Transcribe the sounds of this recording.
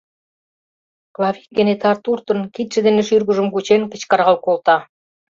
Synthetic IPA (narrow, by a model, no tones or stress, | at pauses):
klˠɑβik̚ɡə̆net̪ɑrt̪urt̪ə̆nkit̪ʃĕd̪eneʃyrɣə̆ʒə̆mkut͡ɕenkə̆t͡ɕkɑɾʁɑlkolt̪ɑ